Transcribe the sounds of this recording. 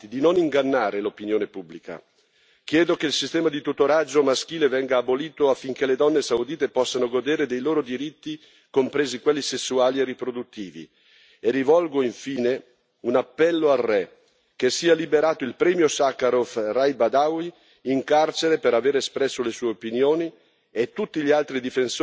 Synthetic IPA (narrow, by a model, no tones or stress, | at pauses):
id̪inoniŋɡanːaːɾelopinjoːnepubːlika̰ | k̟jɛːd̪okeilsist̪ɛːmad̪it̪ut̪oɾad͡ʒːomask̟iːlevɛŋɡaːboliːt̪oafːiŋkeled̪ɔnːesawd̪iːt̪epɔsːanoɡod̪eːɾed̪ejloːɾod̪iɾit̪ːi | kompɾeːzikwelːisesːuaːlierːipɾod̪ut̪ːiːvḭ | erivɔlɡoiɱfiːne | unapːɛlːoarːɛ | kesːiːalibeɾaːt̪oilpɾɛːmjosakaɾofrajbad̪awi | iŋkart͡ʃeɾepeɾaveːɾeːspɾɛsːolesuːeopinjoːni | et̪ːut̪ːiʎialt̪ɾid̪ifens